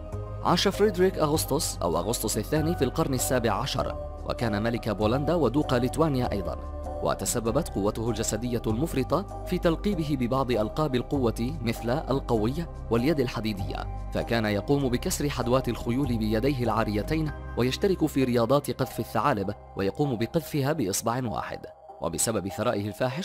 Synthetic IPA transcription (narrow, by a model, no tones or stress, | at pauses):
ʕa̰ːʃafɾɪd̪ɾiːkʔaɣʊst̪ʊsˤʔa̰wʔa̰ɣʊsˤt̪ˤʊsˤʔaθːaːniːfiːlqɑɾˤnasːaːbɪʕːaʃɑ̰ɾˤ | wʔa̰kaːnamalɪkaboːland̪aːwad̪uːqalɪt̪waːnɪjaːʔɑ̰jd̪ˤɑ̰n | wʔa̰t̪asabːabat̪qʊwːat̪ʊhʊld͡ʒasad̪ɪjːalmʊfɾɨt̪ˤɑ | fiːt̪alqiːbɪɦɪbɪbɑʕd̪ˤɨʔɑlqɑːbɪlqʊwːamɪθlaʔalqɑwɪjːa | waljad̪alħad̪iːd̪ɪ̰jːa̰ | fa̰kaːnajɑquːmbɪkasɾɪħad̪waːt̪ɪlxʊjuːlɪbɪjad̪ajɦɪlʕaːɾɪjːat̪ajnwajaʃt̪aɾɪkʊfiːɾɪjɑːd̪ˤɑːt̪ɪqɨðfɪθːaʕaːlɪb | wʔa̰jɑquːmbɪqɨðfɪɦaːbɪʔɨsˤbɑʕɪnwa̰ːħɪ̰d̪ | wa̰bɪsababɪθɑɾˤɑ̰ːʔɪhɪlfaːħɪʃ